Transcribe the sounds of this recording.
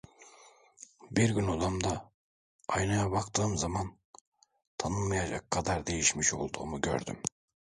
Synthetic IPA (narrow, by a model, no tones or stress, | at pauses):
biɾɟynod̪amd̪a | ajnajabakt̪ʰɯːmzaman | t̪ʰanɯnmajad͡ʒa̰kʰːad̪aɾd̪e̞jiʃmiʃo̞lˠd̪uːmuɟø̰ɾd̪y̰m